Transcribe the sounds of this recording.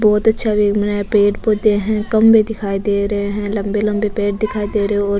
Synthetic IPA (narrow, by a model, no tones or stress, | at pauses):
bɔːt̪ɐtːʃʰaʋeːmnɛpeːʈpod̪eɦɛ̃kɐmbed̪ɪkʰaːid̪eːɾɐɦeɦɛ̃lɐ̃mbelɐ̃mbepeːʈ̚d̪ɪkʰaːid̪eːɾɐẽɔː